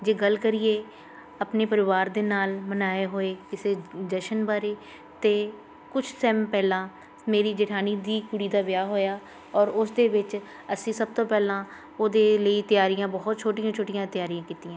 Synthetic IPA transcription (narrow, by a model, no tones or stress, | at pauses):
d͡ʒeːɡəlkəɾijeː | əpneːpəɾɪʋaːɾd̪eːnaːlmənaːeɦoːeːkɪseːd͡ʒəʃənbaːɾeː | t̪eː | kʊt͡ʃʰsɛːmpɛːlãː | meːɾiːd͡ʒəʈʰaːniːd̪iːkʊɽiːd̪aːʋjaːɦoːjaː | ɔːɾʊsd̪eːʋɪt͡ʃ | əsĩːsəb̚t̪õːpɛːlãː | oːd̪eːləiːt̪ɪjaːɾijãːbɔɦt̪̚t͡ʃʰoːʈɪjãːt͡ʃʰoːʈɪjãːt̪ɪjaːɾijãːkiːt̪iːjãː